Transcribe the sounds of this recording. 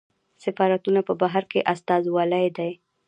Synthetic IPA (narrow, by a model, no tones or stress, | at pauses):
sɪfɑɾat̪unapəbaɦaɾkeʔast̪ɑzwɑlajd̪aj